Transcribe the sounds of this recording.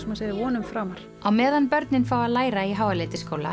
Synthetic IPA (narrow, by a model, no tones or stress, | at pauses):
smaseːðɪvɔːnʏmfɾaːmaɾ̥ | awmɛːðanpœɾt̪nɪnfaːwalaːjɾaiɦaːwalɪːt̪ɪskoːwla̰